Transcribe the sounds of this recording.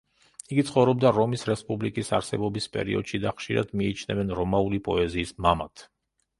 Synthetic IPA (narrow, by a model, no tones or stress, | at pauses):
iɡit̪sʰχɔvɾɔbd̪aɾɔmisɾɛspʼublikʼisaɾsɛbɔbispʼɛ̰ɾiɔ̰d̪̥ʃid̪aχʃiɾa̰d̪miit͡ʃʰnɛvɛnɾɔmaulipʼɔɛziːsmamat̪ʰ